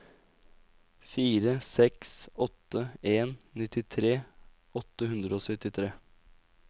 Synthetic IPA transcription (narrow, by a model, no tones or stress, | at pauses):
fiːɾəsɛksɔt̪ːəeːnnɪt̪ɪt̪ʰɾeː | ɔt̪ːəhʉnd̪ɾəoːsœt̪ɪt̪ʰɾeː